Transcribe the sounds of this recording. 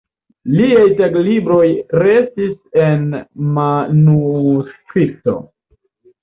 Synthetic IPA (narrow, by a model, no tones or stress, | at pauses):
liajteklibɾo̞jɾe̞stise̞nmanuskɾip̚to̞̰